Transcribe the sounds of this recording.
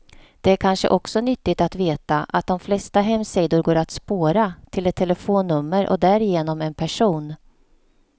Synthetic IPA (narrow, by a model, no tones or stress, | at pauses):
d̪̥ɛæɾkʰanʂə̰ʔɔksɔnʏt̪ːɪt̪at̪veːt̪aʔat̪̚d̪ɔmflɛst̪aɦɛmsɛjd̪ʊɾɡoːɾat̪spoːɾat̪ʰɪlɛt̪ʰːɛləfoːnːɵmːəɾʔɔ̰d̪æɾɪjeːnɔmɛnpʰæʂuːn